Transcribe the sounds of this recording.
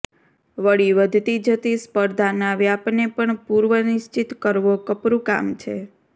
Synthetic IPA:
ʋəɽiʋəd̪ʱt̪id͡ʒət̪ispəɾd̪ʱanaʋeapnepəɳpuɾʋənɪʃt͡ʃit̪kəɾʋokəpɾuka̰mt͡ʃʰḛ

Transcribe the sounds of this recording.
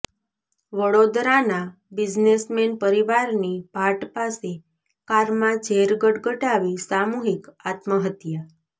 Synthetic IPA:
ʋəɭod̪ɾana | bɪd͡ʒnesmenpəɾiʋaɾnibʱaʈpase | kaɾmãd͡ʒʱeɾɡəʈɡəʈaʋisamuɦikat̪məɦət̪jə

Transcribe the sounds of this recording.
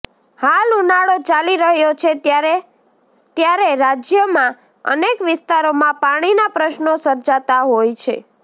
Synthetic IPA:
halunaɽot͡ʃaliɾəɦjot͡ʃʰeɾe | t̪jaɾeɾad͡ʒjəmã | ə̰nekʋɪst̪aɾomãpaɽ̃inapɾəʃnosəɾd͡ʒat̪aɦojt͡ʃʰḛ

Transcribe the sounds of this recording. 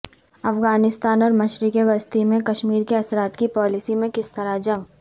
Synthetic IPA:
ɐfɡaːnɪst̪aːnɔːɾmɐʃɾikeʋɐst̪imẽkɐʃmiːɾkeɐsɾaːt̪kipɔːlɪsimẽkɪst̪ɐɾad͡ʒɐ̃ŋɡ

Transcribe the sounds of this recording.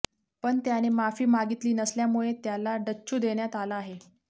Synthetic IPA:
pəɳt̪janemafiːmaɡit̪liːnəsljamuɭet̪jalaɖəɕʰuːd̪eɳjat̪alaːɦe

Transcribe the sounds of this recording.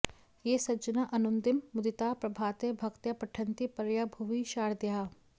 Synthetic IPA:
jeːsɐd͡ʒɐnaʔɐnʊnd̪ɪmːʊd̪ɪt̪aːpɾɐbʱaːt̪ebʱɐkt̪jɐpɐʈʰə̃nt̪ipɐɾjabʱuʋiʃaːɾd̪jaː

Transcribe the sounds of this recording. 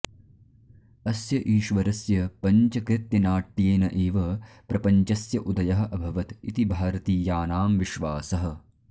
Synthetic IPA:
ɐsjɐʔiːʃʋɐɾɐsjɐpɐɲt͡ʃɐkɾɪt̪jɐnaːʈːjeːnɐʔeːʋɐ | pɾɐpɐɲt͡ʃɐsjɐʔud̪ɐjɐɦɐ̆ʔɐbʱɐʋɐt̪it̪ibʱaːɾɐt̪iːjaːnaːmʋiʃʋaːsɐɦɐ̆

